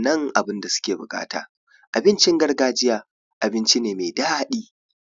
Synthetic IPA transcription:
nɐ˦ŋʔa˨bɪ˦nda˨sʊ̥˦kʲeː˨bʊ̰˨kʼa̰ː˦ta̰ː˨ | ʔa˨bɪ˦nt͡ʃɪ˦ŋɡɐ˦rɡaː˦d͡ʒɪ˦jaː˨ | ʔa˨bɪ˦nt͡ʃi˦neː˨me˨daː˦ɗiː˦

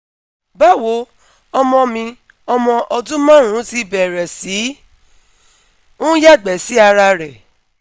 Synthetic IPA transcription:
ba˦˨wo˨˦ | ɔ˧mɔ̃˧mĩ˧ | ɔ˧mɔ̃˧ʔɔ˧dũ˦mã˦˨ɾ̃ũ˨˦ti˦bɛ˨ɾɛ˨si˨˦ | ũ˦ja˦˨ɡ͡bɛ˨si˨˦a˧ɾa˧ɾɛ˨

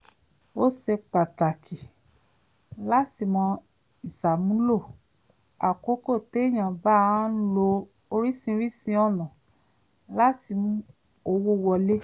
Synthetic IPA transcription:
o˦se˧k͡pa˨ta˨kʰi˨ | la˦ti˧mɔ̃˧ | i˨sa˨mũ˦lo˦˨ | a˨ko˦ko˦˨te˨˦˨j̃ã˨ba˦˨˦n̩˦lo˧ | o˧ɾi˦sĩ˧˦ɾi˦sĩ˧ɔ˦˨nã˨ | la˦ti˧mũ˦ | o˧wo˦wɔ˧le˦

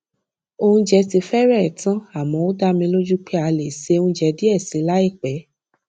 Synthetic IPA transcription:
o˧hũ˧d͡ʒɛ˧ti˧fɛ˦ɾɛ˦˨tã˦a˦˨mɔ̃˨˦o˦da˦mĩ˧lo˦d͡ʒu˦k͡pɛ˦a˧le˨se˨˧˦ũ˧˦d͡ʒɛ˧di˦ɛ˦˨si˨˦la˦i˦˨k͡pɛ˨˦

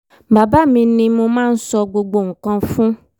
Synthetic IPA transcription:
ba˨ba˦mĩ˧nĩ˧mo˧mãː˦n̩˦sɔ˧ɡ͡bo˧ɡ͡bo˧ŋ̩˨kã˧fũ˦

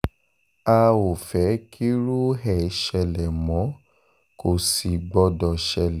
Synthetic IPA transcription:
a˧wo˨fɛ˨˦kʰi˦ɾu˦ɦɛ˨˦ʃɛ˧lɛ˨mɔ̃˨˦ | ko˨si˨ɡ͡bɔ˧dɔ˨ʃɛ˧lɛ˨

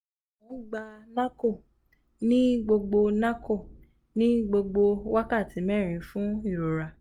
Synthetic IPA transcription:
ũ˨˦ɡ͡ba˧nã˦ko˦˨ | nĩ˦ɡ͡bo˧ɡ͡bo˧nã˦ko˦˨ | nĩ˦ɡ͡bo˧ɡ͡bo˧wa˦ka˦˨ti˨˦mɛ˦˨ɾ̃ĩ˨˦fũ˦i˦˨ɾo˨ɾa˨

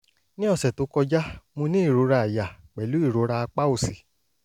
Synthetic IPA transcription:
nĩ˦ɔ˧˨sɛ˨to˨˦kɔ˧d͡ʒa˦mũ˧nĩ˦i˦˨ɾo˨˦ɾa˧a˨ja˨k͡pɛ˨lu˨˦i˦˨ɾo˨˦ɾa˧a˧k͡pa˦o˧˨si˨

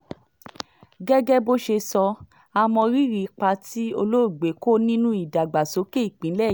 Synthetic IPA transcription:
ɡɛ˦ɡɛ˦bo˦ʃe˧sɔ˧ | a˧mɔ̃˧ɾi˦ɾi˨˦k͡pa˧ti˦o˧lo˦˨ɡ͡be˨˦ko˦nĩ˦nũ˦i˦˨da˨ɡ͡ba˨so˨˦ke˦i˦˨k͡pĩ˨˦lɛ˦˨˦

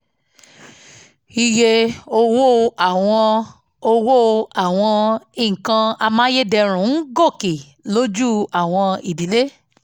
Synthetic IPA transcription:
i˧je˧o˧wo˦˧a˨w̃ɔ̃˧ | o˧wo˦a˨w̃ɔ̃˧i˨kã˧a˧mãː˦je˦dɛ˧ɾ̃ũ˨˦n̩˦ɡo˦˨ke˨ | lo˦d͡ʒu˦a˨w̃ɔ̃˧i˨di˨le˦

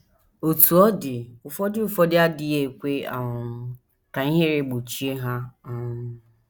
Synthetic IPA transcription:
o˨tu˨ɔ˦dɪ˨ʊ˨fɔ˦dɪ˦ʊ˨fɔ˦dɪ˦a˦dɪ˦je˨kʷe˦a̰˨ŋʊ˨˦ | ka˨i˦ɦe˦ɾe˦˨ɡ͡bo˨t͡ʃi˦e˦ɦa˦a˦ʊ˦

